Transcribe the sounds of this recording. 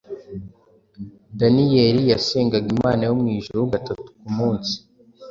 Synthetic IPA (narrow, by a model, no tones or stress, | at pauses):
danijeɾijase̞ːŋɡaɡimaːnajumŋiːʒuɾuɡatatu̥kumuːnsi̥